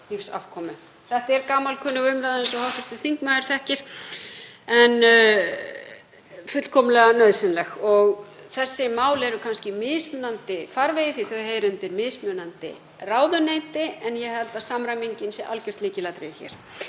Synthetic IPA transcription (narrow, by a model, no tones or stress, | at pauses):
hifsa̰fkʰɔːmʏ | θɛht̪ɛɾkaːmalkʰʏːnʏɣʏmɾaðɛnsɔhɔwht̪ʏst̪ɪθiŋkmaðɪɾ̥θɛhcɪɾ̥ | ɛn | fʏt̪l̥kʰɔmlɛɣanœɥðsɪnlɛxɔɣ | θɛsːɪmaːwlɛɾʏkʰanscɪmɪðsmʏːnant̪ɪfaɾvejɪθiθœɥheːjɾʏmt̪ɪɾmɪðsmjœːnant̪ɪ̰ | raːwðʏnejt̪ɪɛnjɛhɛlt̪aðsamɾamiɲcɪnsɛʔa̰lcʏr̥t̪liːcɪlat̪ɾḛjçɛ̰ːɾ̥